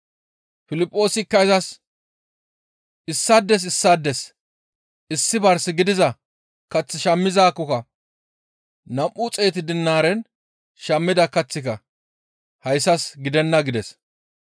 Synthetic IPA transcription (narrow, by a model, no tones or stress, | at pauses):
fɪlɪpʼːo̞ːsɪkːɐjzɐs | ɪsːɐd̪ːɛs̬ɪsːad̪ːɛs | ɪsːɪbɐɾsɪɡɪd̪ɪzɐ | kɐt͡sːɪʃɐmːɪzaːkːɔkɐ | nɐmʔʊt͡sʼeːt̪ɪd̪ɪnːaːɾɛn | ʃɐmːɪd̪ɐkɐt͡sːɪkɐ | hɐjsːɐsɡɪd̪ɛnːɐɡɪd̪ɛs